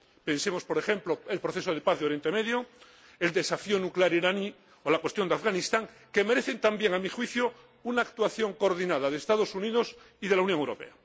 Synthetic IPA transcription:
pẽ̞nsemo̞spo̞ɾe̞xe̞mploelpɾoθe̞soð̞epaθðeoɾje̞nt̪emeðjo | e̞ld̪esafionukleaɾiɾani | olakwest̪jo̞nd̪eafɣanist̪aŋ | ke̞meɾe̞θent̪ambjeŋamixwiθjo | unaːkt̪waθjo̞ŋkoːɾðinaðaðeːst̪aðo̞suniðos | iðe̞launjoŋewɾo̞̰pe̞̰a

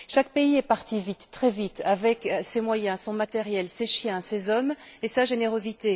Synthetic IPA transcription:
ʃak̚peiɛpaʁt̪ivit̪ːχɛvit̪avɛksemwajɛ̃sɔ̃mat̪ɛʁjɛlseʃjɛ̃sezɔmesaʒeneʁozit̪e

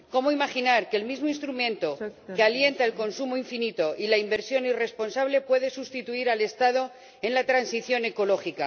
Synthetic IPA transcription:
ko̞moimaxinaɾkeːlmizmoinst̪ɾumẽ̞nt̪o̞kealje̞nt̪aelko̞nsumoiɱfinit̪o̞ʔilaimbe̞ɾsjo̞nire̞spo̞nsaβle̞pwe̞ðe̞sust̪it̪uiɾale̞st̪að̞o̞ | ẽ̞nlat̪ɾansiθjo̞ne̞ko̞lo̞xika

